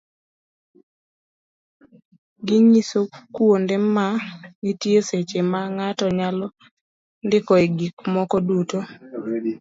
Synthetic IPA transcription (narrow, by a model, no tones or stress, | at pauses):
ɡiɲisokwondemanitjeset͡ʃemaŋatɔɲalɔ | ndɪkɔeɡikmɔkɔduto